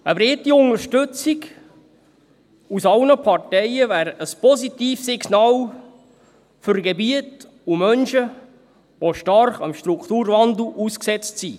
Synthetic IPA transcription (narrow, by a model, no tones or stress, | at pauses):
əbɾɪt̪ːiʊnəʃtɵt͡siɡ | usɑlnəpʰɑrtɛɪəvæːɾəspɔzit̪iːfsɪɡnɑːl | fʏrɡebiət | umœnʃə | ʋoʃtɑrχɑmʃt̪ɾukʰt̪uːɾvɑndl̩ʔuːsksɛt͡stsi